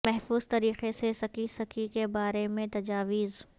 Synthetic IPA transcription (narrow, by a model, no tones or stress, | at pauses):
mɛɦfuːzt̪ɐɾiːqesesɐkisɐkʰikebaːɾemẽt̪ɐd͡ʒaːʋiːz